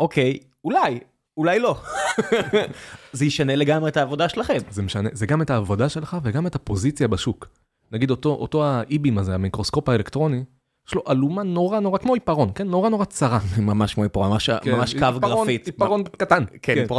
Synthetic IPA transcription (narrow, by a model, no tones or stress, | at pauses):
ʔokej | ulaj | ulajlo̞ | zejiʃaneleɡamʁeːtaːvo̞daʃelaχemzemeʃanezeɡame̞taːvodaʃe̞lχaveɡametapo̞zit͡sjabaʃuk | naɡid̪otoʔo̰to̞aʔibimazeamikʁo̞sko̞paelekt̪ʁo̞ni | jɛʃlo̞ʔalumano̞ʁano̞ʁakmo̞ipaʁo̞nkenːo̞ʁano̞ʁat͡saʁamamaʃkmoipaʁoaʃkmamaʃkavɡpʁaonfitipaʁonkatankenp